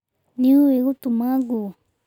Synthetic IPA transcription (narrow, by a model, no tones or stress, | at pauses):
nĩueɣut̪umãɡu